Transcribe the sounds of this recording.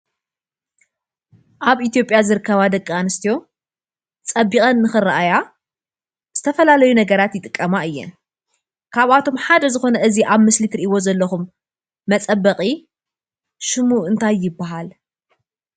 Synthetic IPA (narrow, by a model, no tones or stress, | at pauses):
ʔaβʔit̪ijo̞pʼjazɨɾɨkːɐβad̪ɐkʼːanɨst̪ʰijo̞ | t͡sʼɐbːixʼɐnːɨxɨraʔaja | z̥ɨt̪ʰɐfɐlalɐjunɐɡɐɾat̪jɪt̪ʼɨkʼːɐmaɨjːɛ̰n | kʰaβat̪ʰo̞mħad̪ɐzɨxo̞nɐʔɨziʔaβmɨslit̪ɾiʔiwo̞zɐlːɐxumː | ɐt͡sʼɐbːɐqʼi | ʃɨmuɨnt̪ʰajːɪbːaɦal